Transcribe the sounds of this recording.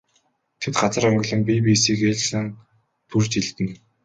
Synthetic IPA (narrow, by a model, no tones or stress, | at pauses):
t̪ʰet̪ɢat͡sə̆ɾɔŋɡ̆ʲɮɞ̆mpipiːsiːkeɮsə̆n | t̪ʰurt͡ɕiɮt̪ɘ̆n